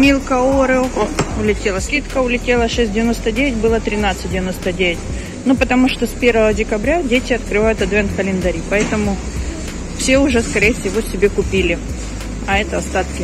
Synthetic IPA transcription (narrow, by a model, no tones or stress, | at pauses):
mʲilˠkəoɾɨʊlʲɪtʲelˠəsʲkʲit̪kəʊlʲɪtʲelˠəʂɛsʲtʲdʲɪvʲɪno̞st̪ədʲevʲɪtʲbɨlˠət̪ɾʲɪnat̪sɨt̚ʲdʲɪvʲɪno̞st̪ədʲevʲɪtʲ | nupət̪ɐmuʂt̪ospʲe̞rvəvədʲɪkɐbɾʲadʲetʲɪɐt̪kɾɨvajʊt̪ɐt̪vʲent̪̚kəlʲɪnd̪ɐɾʲipɐɛt̪əmʊ | fsʲeʊʐɛskɐɾʲejəfsʲɪvo̞sʲɪbʲe̞kʊpʲilʲɪ | ɐɛt̪əɐst̪at̪kʲɪ